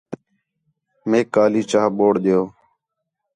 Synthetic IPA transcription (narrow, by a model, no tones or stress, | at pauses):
meːkaːliːt͡ʃaːɓoːɽɗ̪ejoː